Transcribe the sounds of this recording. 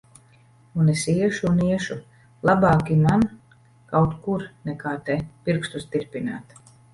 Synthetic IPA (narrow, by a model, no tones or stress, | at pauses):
unesiɛʃuniɛʃu | lˠabaːkiman | kawt̪kuɾnɛkaːt̪ɛpiɾkst̪ust̪iɾpʲina̰ːt̪